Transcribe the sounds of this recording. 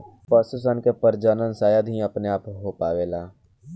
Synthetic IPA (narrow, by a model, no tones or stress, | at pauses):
pəsʊsənkepəɾd͡ʒəːnənsaːjad̪ɦĩɐpneaːpɦopaːʋeːlaː